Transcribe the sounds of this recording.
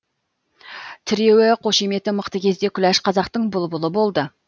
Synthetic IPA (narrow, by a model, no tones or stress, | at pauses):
t̪ʰɪɾe̞wɪqʰo̞ʃeme̞t̪ɪməqt̪əkʲʰe̞zd̪e̞kʲʰʏlæʃqʰɑzɑqt̪əɴbʊlˠbʊlˠəbo̞lˠd̪ə